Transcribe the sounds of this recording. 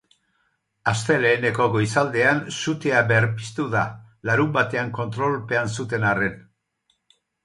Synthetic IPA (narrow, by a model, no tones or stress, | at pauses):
ast̪e̞le̞ːne̞ko̞ɣo̞jsald̪e̞ansut̪eabe̞ɾpi̥st̪uða | laɾumbat̪e̞aŋko̞nt̪ɾo̞lpe̞ansut̪e̞nare̞n